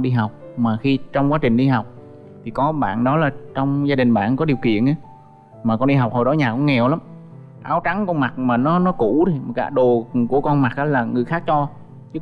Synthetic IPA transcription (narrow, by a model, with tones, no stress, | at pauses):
ɗi˧ɦa˨˩wk͡p̚maː˨˩xi˧t͡ɕɔ˧wŋ͡mkwaː˨˦t͡ɕï˨˩ŋ̟ɗi˧ɦa˨˩wk͡p̚ | t̪ʰi˨˩kɔ˨˦ɓa̰ː˧˨nɗɔ˨˦laː˨˩t͡ɕɔ˧wŋ͡mzaː˧ɗï˨˩ŋ̟ɓa̰ː˧˨nkɔ˨˦ɗi˨˩əwkḭ˧˨ənʔa˨˦ | maː˨˩kɔ˧nɗi˧ɦa˨˩k͡p̚ho˨˩jɗɔ˨˦ɲaː˨˩kɔ˧˦ŋɛ˨˩wla˨˦m | ʔaː˨˦wt͡ɕa˨˦ŋkɔ˧nma˨˩k̚maː˨˩nɔ˨˦nɔ˨˦ku˧˩˥ti˨˩ka̰ː˧˩ɗo˨˩ku˧˩əkɔ˧nma˨˩k̚ʔaː˨˦laː˨˩ŋɨ˨˩əjxaː˦˥k̚t͡ɕɔ˧ | t͡ɕɨ˦˥